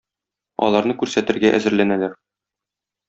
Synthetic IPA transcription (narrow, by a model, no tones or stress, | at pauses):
ɒ̰lˠɑɾnɤkʉɾsæt̪ɘ̆ɾɡæʔæ̰zɘ̆ɾlænælæɾ